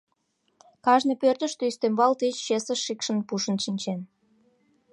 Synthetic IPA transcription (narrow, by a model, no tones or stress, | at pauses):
kɑʒnepørt̪ə̆ʃt̪eyst̪embɑlt̪et͡ɕːesəʃːikʃə̆npuʃə̆nʃinʲt͡ɕen